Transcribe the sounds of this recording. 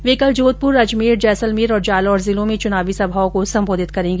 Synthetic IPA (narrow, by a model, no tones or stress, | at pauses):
ʋeːkəld͡ʒoːt̪̚pʊɾɐd͡ʒmiːɾd͡ʒɛːsəlmiːɾɔːɾd͡ʒaːlɔːɾzɪlõmẽt͡ʃʊnaːʋisɐbʱaːõkosɐ̃mboːd̪ʱɪt̪kɐɾẽːŋɡeː